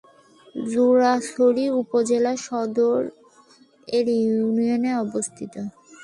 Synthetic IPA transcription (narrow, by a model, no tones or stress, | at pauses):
zuɾaʃoɾiupod͡ʑelaʃɔd̪oɾ | eɾjunioneɔbost̪ʰit̪o